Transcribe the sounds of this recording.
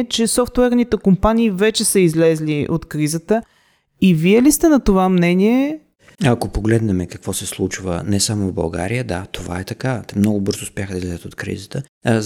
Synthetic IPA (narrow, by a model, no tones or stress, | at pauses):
t͡ʃɛsɔft̪wɛɾnit̪ɛkompaniːvɛt͡ʃɛsəizlɛzliʔot̪kɾizət̪ə | iviɛlist̪ɛnɐt̪ovamnɛniɛ | ɐkopoɡlɛd̪nɛmɛkɐkv̥ɔsɛslˠut͡ʃvə̰nɛsamovbɐ̰lˠɡa̰ɾijəd̪at̪ova̰ɛt̪ɐkat̪ɛmnɔɡʊbɤɾzoːspjaxəd̪ɐizlɛzət̪ot̪kɾḭzət̪ə